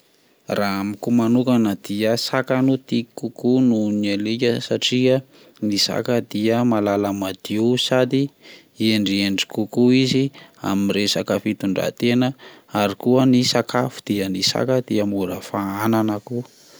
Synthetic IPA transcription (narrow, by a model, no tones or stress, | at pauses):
raamikumanukanad̪̥iəsakanut̪ikukununelikʲəsaʈ͡ʂiə | nisa̰kəd̪iəmalaləmad̪̥iusad̪i | eɳɖ͡ʐieɳɖ͡ʐi̥kukuizia̰minresakafit̪uɳɖ͡ʐa̰t̪enəaɾikuənisakʰafu̥d̪̥iənisa̰kəd̪̥iəmuɾəfaananəku